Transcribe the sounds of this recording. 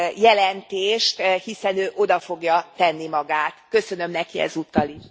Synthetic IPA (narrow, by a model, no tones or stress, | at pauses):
jɛlɛnt̪eːʃt̪hisɛnøːʔo̞d̪ɒfo̞ɡjɒt̪ɛnːimɒɡaːt̪kø̞sø̞nø̞mnɛkiɛ̰zut̪ːɒliʃ